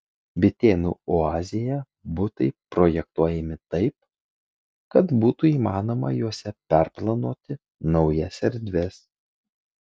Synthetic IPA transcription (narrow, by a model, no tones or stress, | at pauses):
bʲɪt̪ʲeːnṵːoɑːzʲɪjɛ | bʊt̪ɐɪpɾoːjɛk̚t̪uɔjɛmʲɪt̪ɐɪp̚ | kɐt̪buːt̪uiːmɑːnoːmɐ̰juɔsʲɛpʲɛˑɾplˠɐnoːt̪ʲɪ | nɐʊjɛsʲɛɾʲd̪ʲʋʲɛs